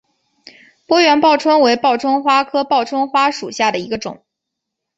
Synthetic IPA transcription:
pwɔ˥ɥɛ˧˥npɑ˥˩ʊʈ͡ʂʰwə˥nwe˧˥ɪpɑ˥˩ʊʈ͡ʂʰwə˥nxwa˥kʰɤ˥pɑ˥˩ʊʈ͡ʂʰwa˥nxwa˥ʂu˨˩ɕja˥˩d̪ə˩i˧˥ɡə˧ʈ͡ʂʊ̰˨˩˦ŋ

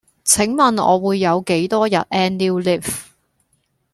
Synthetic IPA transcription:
t͡sʰɪ˨˥ŋmɐ˨nɔ̰ː˨˧wuː˨˧jːɐ˨˧wke˨˥jt̪ɔː˥jɐ̰˨t̚ʔɛː˥nliː˥wli˥˩f

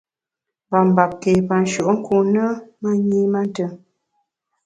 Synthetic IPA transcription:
ba˨m˨ba˨p̚ke˨pa˨n˨ʃo˨ʔŋ̩˦ku˨nə˦ma˦ɲi˦ma˦n˦tə˨

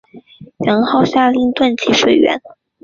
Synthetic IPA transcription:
jɑ˧˥nxɑ˥˧ʊɕja˥˧li˥˧ŋt̪wa˥˩nt͡ɕʰi˧˥ʂwe˥˩ɪɥɛ̰˧˥n

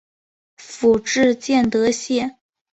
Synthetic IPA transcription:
fu˨˩ʈ͡ʂɻ̩˥˧t͡ɕjɛ˥˩nt̪ɤ˧˥ɕjɛ˥˩

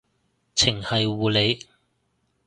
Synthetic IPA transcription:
t͡sʰɪ˨˩ŋhɐ˨jwuː˨le˨˧j

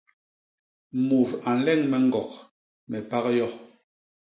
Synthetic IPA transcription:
mu˨ɾa˨n̩˨lɛ˦˨ŋmɛ˨ŋ˦ɡɔ˨k̚ | mɛ˨pa˦kjɔ˦

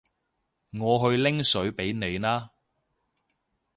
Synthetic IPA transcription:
ŋɔː˨˧ɦɵ˧ɥlɪ˥ŋsɵ˨˥ɥpe˨˥jne˨˧jnaː˥

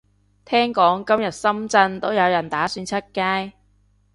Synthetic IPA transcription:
t̪ʰɛː˥ŋkɔː˨˥ŋkɐ˥mjɐ˨t̚sɐ˥mt͡sɐ˧nt̪o˥wjɐ˨˧wjɐ˨˩nt̪aː˨˥syː˧nt͡sʰɐ˥t̚kaː˥j

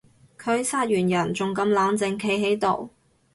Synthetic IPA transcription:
kʰɵ˨˧ɥsaː˥t̚jyː˨˩njɐ˨˩nt͡sʊ˨ŋkɐ˧mlaː˨˥nt͡sɪ˨ŋkʰe˧jɦe˨˥jt̪o˨˩w

